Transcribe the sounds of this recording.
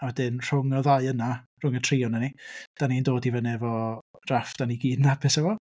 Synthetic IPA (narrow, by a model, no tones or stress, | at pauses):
awɛdɪnr̥ʊŋɔðajənar̥ʊŋətʰriːɔnənid̥anindoːdivənɛvɔrafd̥aniɡiːdnabɪsɛvɔ